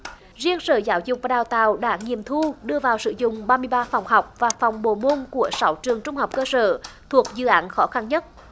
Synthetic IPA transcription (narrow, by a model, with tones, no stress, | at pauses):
zi˧ənsə̰ː˧˩zaː˨˦wzʊ˨˩k͡p̚vaː˨˩ɗaː˨˩wt̪a̰ː˧˨wɗa̰ː˧˥ŋi˨əmt̪ʰu˧ɗɨ˧əvaː˨˩wsɨ̰˧˥zʊ̰˧˨ŋ͡mɓaː˧mɨ˧əjɓaː˧fɔ˨˩wŋ͡mha˨˩wk͡p̚vaː˨˩fɔ˨˩wŋ͡mɓo˧˩mo˧nku˧˩əsa˨˦wt͡ɕɨ˨˩əŋt͡ɕʊ˧ŋ͡mha˨˩wk͡p̚kəː˧sə̰ː˧˩t̪ʰu˨˩ək̚zɨ̰˧˨ʔaː˨˦nxɔ˨˦xa˧nɲə˦˥t̚